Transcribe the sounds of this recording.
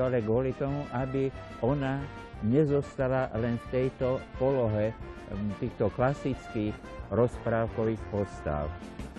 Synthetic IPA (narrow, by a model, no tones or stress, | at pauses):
alɛɡʊɔlit̪ɔmuʔabi | ɔna | ɲɛzɔst̪alalɛnft̪ɛjt̪ɔpɔlɔɦɛ | t̪iːxt̪ɔklasit͡skiːx | ɾɔspɾaːʊkɔʋiːxpɔst̪a̰ʊ